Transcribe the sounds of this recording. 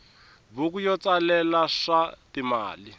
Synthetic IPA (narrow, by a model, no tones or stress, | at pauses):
buk̬ujɔt͡salɛlaʂatima̰ːli